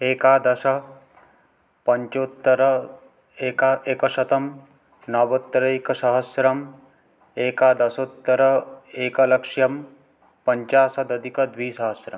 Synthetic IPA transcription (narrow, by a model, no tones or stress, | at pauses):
eːkaːd̪ɐʃɐ | pɐɲt͡ʃoːt̪ːɐɾɐ | eːkaeːkɐʃɐt̪ɐm | nɐʋɐt̪ːɐɾɐikɐsɐɦɐsɾɐm | eːkaːd̪ɐsoːt̪ːɐɾɐeːkɐlɐkʂjɐm | pɐɲt͡ʃaːsɐd̪ɐd̪ʱikɐd̪ʋiːsɐɦɐsɾɐ̰m